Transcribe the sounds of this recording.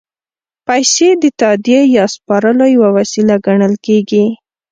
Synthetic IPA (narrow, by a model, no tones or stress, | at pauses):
pajsed̪ət̪ad̪jejɑspɑɾəlojawawasilaɡaɳəlkeɡi